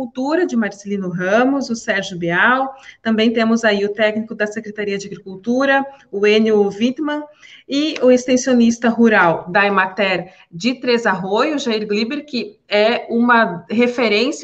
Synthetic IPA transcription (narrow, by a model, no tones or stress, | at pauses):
uwt̪uɾɐd͡ʒɪmaɾselĩnʊɦɐ̃mʊzʊsɛɾʒʊbiawt̪ɐ̃mbẽj̃t̪ẽmʊzaiʊt̪ɛknikʊd̪ɐsekɾet̪aɾiɐd͡ʒɪaɡɾikuwt̪uɾɐʊenjʊvit̪mɐ̃ɪʊest̪ẽsionist̪ɐɦuɾawd̪aemat̪ɛɾ | d͡ʒɪt̪ɾezaɦojʊʒaiɾɡlibeɾkɪɛũmɐɦefeɾẽs